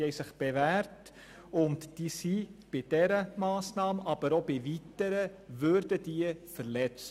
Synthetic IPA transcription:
hɛɪsɪχb̥evæːɾt | ʊntd̥isib̥ɪd̥ɛɾəmɑːsnɑːmɑb̥əɾobɪvitəɾəvøɾdəd̥iːəfəɾlɛt͡s

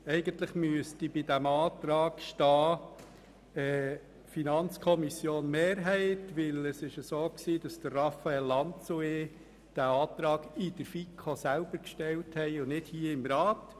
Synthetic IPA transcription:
ɛɪɡənt̪ləχmyəstibɪdæmɑːt̪ɾɑːkʃtɑː | ɛ | finɑnt͡skʰɔmisjoːnmeːɾɦɛɪtʋɪləsɪʃəsoːksiːd̥ɑsd̪̥ərrɑfaɛlːɑnt͡sue | d̥æɑːt̪ɾɑːɡɪd̥əɾfikʰosælb̥əɾkʃtɛlthɛɪʊnɪdhiːəɪmɾɑːt

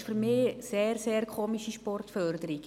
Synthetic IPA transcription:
fyɾmɪːseːɾseːɾkʰoːmiʃiʃpɔrtfœɾdəɾik

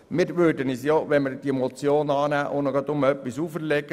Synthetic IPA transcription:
mɪːɾʋøːɾdənisjɔʋɛnməɾd̥iɛmɔt͡sjoːnɑːnæːʔoːnəɡɑd̪ʊmœpːisuːfəɾlɛɡ̥ə

